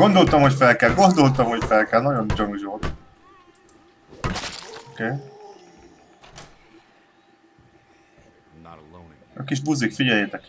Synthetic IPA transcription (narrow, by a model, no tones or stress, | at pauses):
o̞nd̪o̞lt̪ɒmho̞cfɛlkɛlɡo̞nd̪o̞lt̪ɒmhocfɛlkɛlnɒɟo̞nt͡ʃoŋuʒot̪ | okeː | ɒkiʒbuzikfiɟɛljeːt̪ɛk